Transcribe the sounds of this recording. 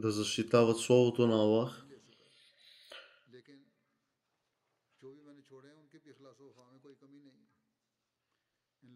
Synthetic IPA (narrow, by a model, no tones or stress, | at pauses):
d̪ɐzɐʃt̪it̪avət̪slˠɔbot̪onɐlˠax | leːkɪn | d͡ʒoːbimɛ̃ːnet͡ʃʰoːɽẽʊnkibixlaːsoaːmẽkoːikəminɐĩ